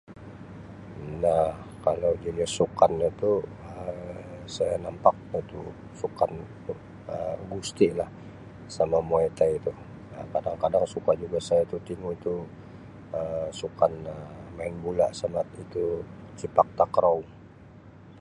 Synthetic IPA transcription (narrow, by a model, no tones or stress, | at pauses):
nahkalawd͡ʒaliasukanat̪u | ə | sajanampak̚at̪u | sukan | əɡust̪ilah | samamoet̪ait̪u | akadaŋkadaŋsukad͡ʒuɡasajat̪ut̪iŋuit̪u | əsukanəmaɪnbulaʔsamat̪it̪ut͡ʃipak̚t̪akəɾaw